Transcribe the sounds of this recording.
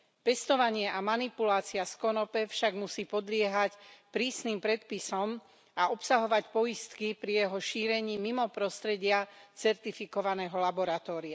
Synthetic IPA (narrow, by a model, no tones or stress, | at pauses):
pɛst̪ɔʋaɲɪɛʔamanipulaːt͡siaskɔnɔpɛfʃaɡmusiːpɔd̪lɪɛɦacpɾiːsnimpɾɛt̪pisɔm | aɔpsaɦɔʋacpɔjist̪kipɾijɛɦɔʃiːɾɛɲiːmimɔpɾɔst̪ɾɛɟɪat͡sɛɾt̪ifikɔʋanɛːɦɔlabɔɾat̪ɔːɾia